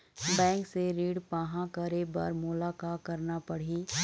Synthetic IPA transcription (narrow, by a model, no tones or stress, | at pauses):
bɛ̃ːŋkseɾiːɽpaːɦãkɐɾebɐ̰ɾmʊlaːkakɐɾnapɐɽ̤iː